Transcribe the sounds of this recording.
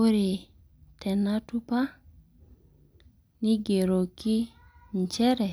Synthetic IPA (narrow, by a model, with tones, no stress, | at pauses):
o˦ɾɪ˨ | tʰɛ˨na˦tu˦pa˦ | nɪ˦ɡe˨ɾo˨kɪ˦ɲ˨t͡ʃɛ˦ɾɛ˨